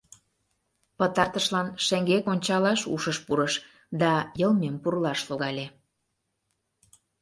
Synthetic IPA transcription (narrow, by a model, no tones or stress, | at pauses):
pət̪ɑrt̪əʃlɑnʃĕŋɡekonʲt͡ɕɑlɑʃṵʃəʃpuɾəʃ | d̪ɑjəlˠmempurlɑʃloɣɑlʲe